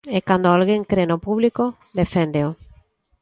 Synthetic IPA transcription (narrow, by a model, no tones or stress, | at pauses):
ekand̪oalɣeŋkɾenopuβliko | d̪efend̪eo